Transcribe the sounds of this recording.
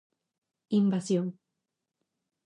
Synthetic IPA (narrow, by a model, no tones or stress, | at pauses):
imbasjoŋ